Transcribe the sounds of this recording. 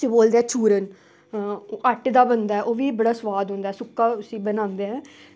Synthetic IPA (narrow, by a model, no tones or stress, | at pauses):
sĩːboːld̪eɛːt͡ʃʰuːɾən | əʈd̪aːbənd̪aːɛːʔoːʋiːbəɽaːsʋaːd̪ɦõːnd̪aːɛːsʊkːaːʊsĩːbənãːnd̪eːɦɛ̃ː